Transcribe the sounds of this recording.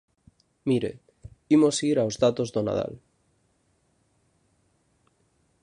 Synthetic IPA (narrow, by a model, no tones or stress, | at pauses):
miɾe | imosiɾaozðat̪ozðona̰ð̞a̰l